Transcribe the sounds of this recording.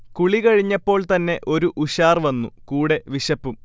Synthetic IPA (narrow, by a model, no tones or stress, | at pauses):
kuɭikɐɻiɲːɐpːo̞ːɭt̪ɐnːe̞ʔo̞ɾuʔuɕaːrʋɐnːukuːɽe̞ʋiɕɐpːum